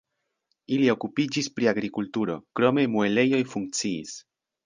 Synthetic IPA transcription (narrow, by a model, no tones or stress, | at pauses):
ilio̞kupid͡ʒispɾiaɡɾikultuɾo̞kɾo̞me̞mue̞le̞jo̞jfuŋk̚t͡siḭs